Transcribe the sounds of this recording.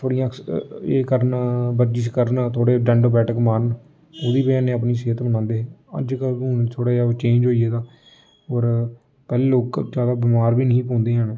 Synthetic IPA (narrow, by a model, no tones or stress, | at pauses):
t̪ʰoːɽijãːkḛːkəɾnbəɾd͡ʒiːskəɾnt̪ʰoːɽeːɖɛ̃ːɳɖoːbɛːʈəkmaːɾən | oːd̪iːpəaːnẽːəp̬niːseːt̪mənãːnd̪eːɦə̰d͡ʒkəlũt̪ʰoːɽaːd͡ʒaːoːt͡ʃẽːnd͡ʒɦoːieːd̪aː | oːɾ | pɛːleːloːkd͡ʒjaːd̪aːbɪmaːɾbiːnəĩːpõːnd̪eːɦənː